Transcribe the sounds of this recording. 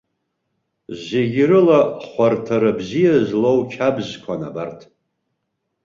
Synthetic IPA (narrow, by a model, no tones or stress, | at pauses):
zeɡʲɾɨlaχʷartʰaɾabzijazlowt͡ʃʰabʒkʷʰana̰bartʰ